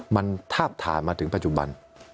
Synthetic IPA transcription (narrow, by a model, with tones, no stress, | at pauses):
ma˧nt̪ʰaː˥˩p̚t̪ʰa̰ː˩˦nmaː˧t̪ʰɯ˩˦ŋpa˧˥t͡ɕu˨˩ba̰˧n